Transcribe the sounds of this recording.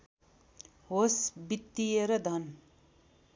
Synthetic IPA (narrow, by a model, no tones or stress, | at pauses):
ɦosbit̪ːijeɾʌd̪ʱɐn